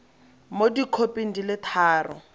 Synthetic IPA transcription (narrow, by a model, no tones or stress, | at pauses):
modikʰopʼin̩dilɪtʰaːrɔ̰